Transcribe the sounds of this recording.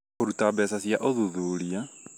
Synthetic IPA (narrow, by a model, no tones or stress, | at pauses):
oɾutabeːsasiaʔoðuðuɾia